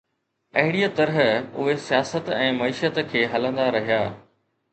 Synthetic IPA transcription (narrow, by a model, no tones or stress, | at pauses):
ɐɦɪɽijat̪ɐɾəɦʊɦesijaːsət̪ɛ̃ːmɐiːʃət̪kʰeːɦɐlə̃nd̪aɾɐɦijaː